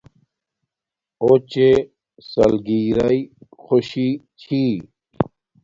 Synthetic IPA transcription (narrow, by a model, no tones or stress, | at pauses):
ot͡ɕe | sɐ̰lɡiɾɐixoɕi | t͡ɕʰi